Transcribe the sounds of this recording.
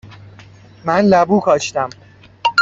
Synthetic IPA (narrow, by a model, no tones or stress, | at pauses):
mænlæbuːkʰɒːʃt̪æm